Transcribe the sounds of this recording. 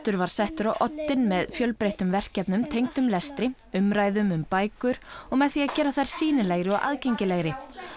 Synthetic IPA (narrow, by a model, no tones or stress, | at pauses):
t̪ʏɾvaɾ̥sɛht̪ʏɾawʔɔt̪ːɪnmɛðfjœlpɾejht̪ʏmvɛr̥cɛpnʏmt̪ʰejŋt̪ʏmlɛst̪ɾɪ | ʏmɾaːjðʏmʏmpaːjkʏɾ̥ɔɣmɛðθiacɛːɾaθajɾ̥siːnɪleɣɾɪɔɣʔa̰ðcejɲcɪleɣɾɪ